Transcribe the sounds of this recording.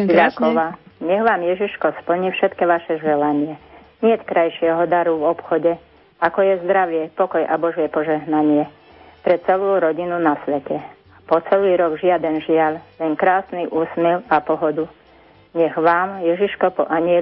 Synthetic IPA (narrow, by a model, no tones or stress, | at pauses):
ɾakɔʋa | ɲɛɣʋaːmjɛʒiʃkɔspl̩ɲifʃɛt̪kɛʋaʃɛʒɛlaɲɪɛ | ɲɪɛt̪kɾajʃɪɛɦɔd̪aɾuvɔpxɔɟɛ | akɔjɛzd̪ɾaʋɪɛpɔkɔjʔa̰bɔʒɪɛpɔʒɛɦnaɲɪɛ | pɾɛt͡sɛluːɾɔɟinunasʋɛcɛ | pɔt͡sɛliːɾɔɡʒɪad̪ɛnʒɪallɛŋkɾaːsniʔuːsmɛlapɔɦɔd̪u | ɲɛɣʋaːmjɛʒiʃkɔpɔ̰ʔaɲɪɛ